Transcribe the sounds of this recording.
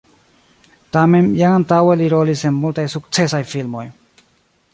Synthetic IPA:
t̪amemjaŋant̪aweliɾolisemːult̪ajsukt͡sesajfilmoj

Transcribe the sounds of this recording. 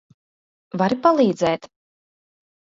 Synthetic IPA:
vaɾipalˠiːd̪zɛːt̪

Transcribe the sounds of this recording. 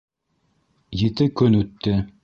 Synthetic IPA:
jit̪ɘkɵnʉt̪ːɘ

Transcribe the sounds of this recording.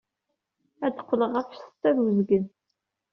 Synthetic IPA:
æd̪əqʷːləʁæfst̪ːæðwəzɡən

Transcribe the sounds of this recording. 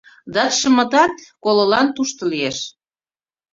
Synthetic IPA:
d̪ɑt̪ʃə̆mə̆t̪ɑt̪kololɑnt̪uʃt̪olieʃ

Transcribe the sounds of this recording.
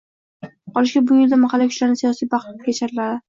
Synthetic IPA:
qɒlɪʃɡʲabʊjɪld̪amaχalːakʰʲʊ̥t͡ʃlaɾnɪsijɒsijbɑq̪kʲet͡ʃʰaɾɪlad̪ɪ

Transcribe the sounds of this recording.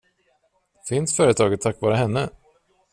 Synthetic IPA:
fɪnsfœːɾət̪ʰɑːɡət̪ʰːakːvɑːɾəɦɛnːə

